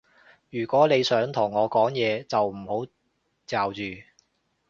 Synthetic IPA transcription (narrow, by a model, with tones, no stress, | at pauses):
jyː˨˩kʷɔː˨˥ne˨˧jsœː˨˥ŋt̪ʰʊ˨˩ŋːɔː˨˧kɔː˨˥ŋjɛː˨˧t͡sɐ˨wm̩˨˩ho˨˥w | t͡saː˨wt͡ʃyː˨